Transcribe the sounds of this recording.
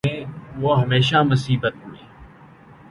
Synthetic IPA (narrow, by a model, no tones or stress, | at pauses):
ẽːʋoːɦəmeːʃaːmʊsiːbət̪ɦʊeː